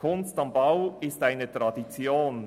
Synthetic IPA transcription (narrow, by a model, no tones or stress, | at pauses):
kʰʊnstɑmbaʊɪstaɪnətɾɑdit͡sjoːn